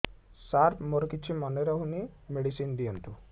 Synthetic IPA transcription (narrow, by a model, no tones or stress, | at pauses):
saɾpmɔɾkit͡ʃʰːimɔneɾaɦunimeɽisind̪ijɔnt̪u